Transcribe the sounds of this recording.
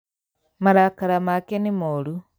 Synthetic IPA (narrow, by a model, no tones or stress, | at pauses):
maɾakaɾamakenimoɾu